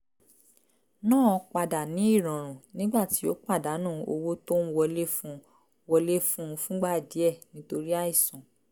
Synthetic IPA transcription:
nãː˦˨ɔ˧k͡pa˨da˨nĩ˨˦i˦˨ɾ̃ɔ̃˨ɾ̃ũ˨nĩ˦ɡ͡ba˦˨ti˨˦o˦k͡pa˦˨da˨˦nũː˦˨o̰˧wo˦to˦n˦wɔ˧le˦fũ˦ | wɔ˧le˦fũ˦˧fũ˦ɡ͡ba˦˨di˨˦ɛ˦˨nĩ˨˦to˧ɾi˦a˦i˦˨sɔ̃˨

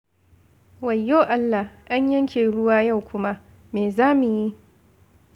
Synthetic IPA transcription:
wɐ˨jːoː˦ʔa˦lːa˨hʔa˦ɲjɐ˦ŋkʲʰeː˨ɽʊ˦waː˦ja˦˨wkʷʊ˦ma˦ | meː˨zaː˦mu˨ji˦ʔ

